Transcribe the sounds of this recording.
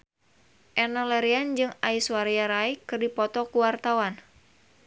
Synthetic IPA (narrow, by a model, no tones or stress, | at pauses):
ʔɛnɔlɛɾiand͡ʒɨŋaiswaɾiaɾaikɨrdipɔt̪ɔkuwart̪awan